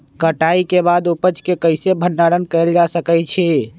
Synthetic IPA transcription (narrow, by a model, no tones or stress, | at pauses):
kəʈaikebad̪upət͡ʃkekəɪsebʱənːaɾənkɛjld͡ʒasəkɛt͡ʃʰɛ